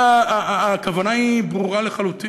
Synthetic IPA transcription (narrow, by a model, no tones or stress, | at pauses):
aːkavanaibʁuʁaleχaluti